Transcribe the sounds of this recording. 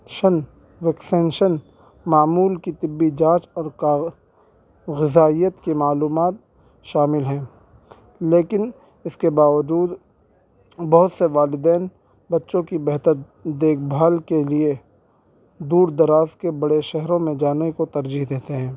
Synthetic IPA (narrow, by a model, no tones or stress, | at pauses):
ʃɐn | ʋɛksɛ̃ːnʃən | maːmuːlkit̪ɪbːid͡ʒãːt͡ʃɔːɾka | ɣɪzaːijət̪kimaːluːmaːt̪̚ | ʃaːmɪlɦɛ̃ː | leːkɪn | ɪskebaːʋəd͡ʒuːd̪ | bɐɦʊt̪seʋaːlɪd̪ɛːn | bɐtːʃõkibɛɦt̪əɾ | d̪eːk̚ʰbʱaːlkelie | d̪uːɾd̪ɐɾaːzkebɐɽeʃɛɦɾõmẽd͡ʒaːnekot̪ɐɾd͡ʒiɦd̪eːt̪eɦɛ̃ː